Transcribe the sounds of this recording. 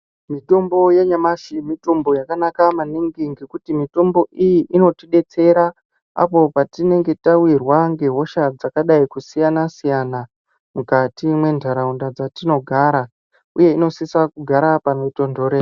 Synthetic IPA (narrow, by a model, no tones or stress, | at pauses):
mito̞mbo̞jeɲamaʃimito̞mbo̞jakanakamaniŋɡiŋɡe̞kutimito̞mbo̞ʔijiʔino̞tiɗe̞t͡se̞ɾa | a̰po̞patine̞ŋɡe̞tawirwaŋɡe̞ɦo̞ʃad͡zakaɗaikusijanasijana | mukatimwe̞ndʱaɾaundad͡zatino̞ɡʱaɾa | uje̞ino̞sisakuɡʱaɾapanito̞ndo̞ːɾe